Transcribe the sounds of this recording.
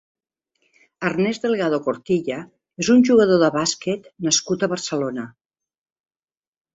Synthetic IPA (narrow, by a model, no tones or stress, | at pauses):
ərnɛzðəlˠɣaðokoɾt̪iʎə | ezunʲʒuɣəð̞oðəβasket̪nəskut̪əβərsəlonə